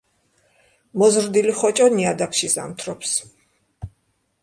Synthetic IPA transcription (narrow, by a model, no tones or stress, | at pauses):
mɔzɾd̪iliχɔt͡ʃʼɔniad̪akʰʃiza̰mt̪ʰɾɔps